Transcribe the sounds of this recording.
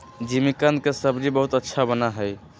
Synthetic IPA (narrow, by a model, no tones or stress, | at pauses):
d͡ʒimikənd̪̚kesəbɾibəɦut̪ətːʃʰabənaɦəj